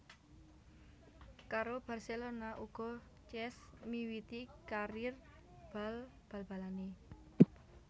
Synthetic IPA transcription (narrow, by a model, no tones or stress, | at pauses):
kaɾob̥a̤rselonaʔuɡ̥ɔ̤ | t͡ʃɛsmiwit̪ikaɾɪr | b̥a̤lb̥a̤lb̥a̤lane